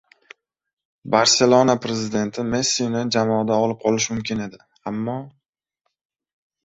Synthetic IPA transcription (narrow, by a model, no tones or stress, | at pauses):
baɾse̞lˠonapɾe̞zɪd̪e̞nt̪ʰɪme̞sːijnɪd͡ʒamɒd̪aɒlɪp̚qʰɒlɪʃmʊmkʲɪne̞d̪ɪ | amːɒ